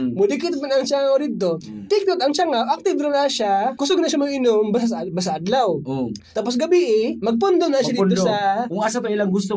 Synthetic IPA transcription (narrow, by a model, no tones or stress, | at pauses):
mʊd̪ɪkɪt̪̚manɐŋt͡ʃaŋawɾɪd̪̚t̪o̞t̪ɪk̚t̪ot̪ɐŋt͡ʃaŋawʔak̚t̪ɪvɾɪnaʃakʊsoɡnɐʃamɐɡɪnombasaɐbas̬aʔɐd̪lawot̪aːpos̬ɡɐbɪʔɪmɐɡ̚p̬ʊnd̪onɐʃad̪osɐkʊŋasapɐɪlaŋɡʊst̪o